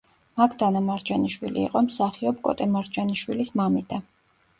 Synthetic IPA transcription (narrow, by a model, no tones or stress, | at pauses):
makʰd̪anamaɾd͡ʒaniʃwilḭːqʼɔmsaχiɔp̚kʼɔ̰t̪ʼɛmaɾd͡ʒaniʃwilismamid̪a